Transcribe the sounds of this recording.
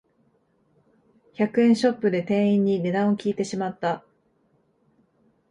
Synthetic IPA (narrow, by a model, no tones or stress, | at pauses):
çakɯ̟ẽ̞ɰ̃ɕo̞pːɯ̟d̪e̞t̪ẽ̞ɰ̃ĩɲ̟ːine̞d̪ãɰ̃o̞kʲiːt̪e̞ɕimat̪ːa